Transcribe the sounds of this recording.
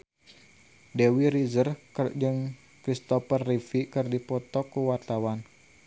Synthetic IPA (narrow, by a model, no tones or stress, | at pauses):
dewiɾizərkrd͡ʒɨŋ | kɾist̪ɔfərːifikɨrdipɔt̪ɔkuwart̪awan